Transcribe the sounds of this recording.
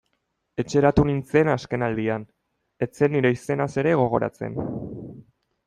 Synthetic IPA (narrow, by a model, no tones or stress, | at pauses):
e̞t͡ʃe̞ɾat̪unint͡se̞naske̞nald̪ian | e̞t͡se̞nːiɾe̞ise̞nase̞ɾe̞ɣ̞o̞ɣ̞o̞̰ɾa̰t͡sḛn